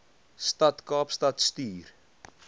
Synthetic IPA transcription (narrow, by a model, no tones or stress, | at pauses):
stɐtkɑːpstɐtstyːr